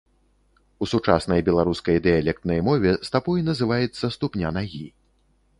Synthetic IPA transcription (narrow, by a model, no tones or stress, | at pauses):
usut͡ʂa̰sn̪ɐjbʲɛlˠaɾuskɐjd̪ɨjalʲɛk̚t̪nɐjmɔvʲɛst̪apɔjnɐzɨvajɛt̪sːɐst̪upnʲanaɣʲi